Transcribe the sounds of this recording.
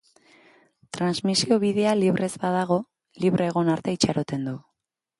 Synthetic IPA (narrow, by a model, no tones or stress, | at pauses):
t̪ɾanzmisio̞βiðe̞aliβɾe̞zbaðaɣ̞o̞ | liβɾʔeːɣ̞o̞naɾt̪e̞it͡ʃaɾo̞t̪e̞nd̪u